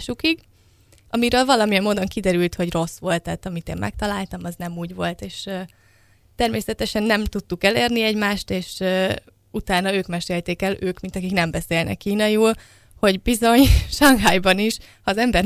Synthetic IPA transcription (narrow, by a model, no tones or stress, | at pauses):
ʃukiɡ | ɒmiɾøːlvɒlɒmijɛmmoːd̪o̞ŋkid̪ɛɾylt̪hoɟro̞sʋo̞lt̪ːɛːt̪ɒmit̪eːmmʔɛ̰k̚t̪ɒlaːlt̪ɒmɒznɛmuːɟʋo̞lt̪eːʃ | t̪ɛrmeːsɛt̪ɛʃɛnːɛmt̪ut̪ːukɛleːrniɛɟmaːʃt̪eːʃø | ut̪aːnɒøːkmɛʃeːlt̪eːkɛløːkmint̪ɒkiknɛmbɛseːlnʔɛ̰kːiːnɒjuːl | ho̞ɟbizo̞ɲʃɒŋɦɒjbɒniʃ | hɒːzɛmbɛr